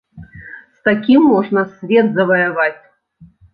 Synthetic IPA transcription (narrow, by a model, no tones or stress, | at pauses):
st̪akʲimːɔʐnɐsʲvʲɛt̪zɐvɐjavat͡sʲ